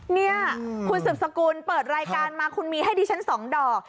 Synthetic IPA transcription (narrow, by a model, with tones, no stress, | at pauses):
ni˥˩ɐkʰu˧nsɯː˨˩p̚sa˧kuː˧npɤː˨˩t̪̚ɾaː˧jkaː˧nmaː˧kʰu˧nmiː˧ha˥˩jdiː˧t͡ɕʰa˦˥nsɔː˩˦ŋdɔː˨˩k̚